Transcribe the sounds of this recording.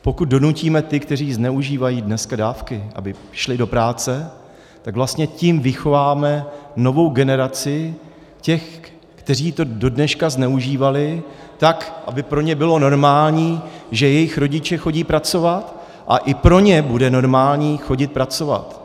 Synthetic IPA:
po̞kut̪̚do̞nuciːmɛt̪ɪkt̪ɛriːznɛuʒiːvajiːdnɛskadaːfkɪʔa̰bɪ | ʃlɪdo̞pɾaːt͡sɛ | t̪aɡvlast̪ɲɛcɪmvɪxo̞vaːmɛno̞vo̞wɡɛnɛɾat͡sɪ | cɛx | kt̪ɛr̝iːt̪o̞do̞dnɛʃkaznɛuʒiːvalɪt̪akʔa̰bɪpɾo̞ɲɛbɪlo̞no̞ɾmaːlɲiːʒɛjɛjɪxɾo̞ɟɪt͡ʃɛxo̞ɟiːpɾat͡so̞vat̪ | ʔa̰ʔɪpɾo̞ɲɛbudɛno̞ɾmaːlɲiːxo̞ɟɪt̪̚pɾat͡so̞va̰t̪

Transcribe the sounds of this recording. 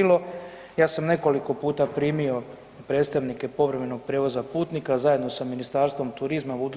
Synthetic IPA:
lo̞ | jaːsamne̞ko̞liko̞puːt̪apɾiːmio̞ | pɾe̞ːt̪st̪aʋnike̞po̞ʋɾeme̞no̞ɡ̚pɾeːʋo̞zapuːt̪nikazaje̞d̪no̞saminist̪aːɾst̪ʋo̞mt̪uɾizmabud̪u

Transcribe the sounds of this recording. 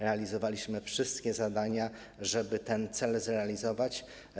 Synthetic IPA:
ɾɛalʲizɔvalʲiɕmɘfʂɘst̪kʲɛzad̪aɲa | ʐɛbɘt̪ɛnt̪sɛlzɾɛalʲizɔvat͡ɕ

